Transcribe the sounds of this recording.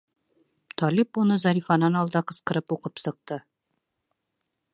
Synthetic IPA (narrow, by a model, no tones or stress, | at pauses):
t̪ɒlipunɤzɒɾʲifɑnɑnɒlˠd̪ɑqɤ̆sqɤ̆ɾɤpuqɤpsɤ̆q̚t̪ɤ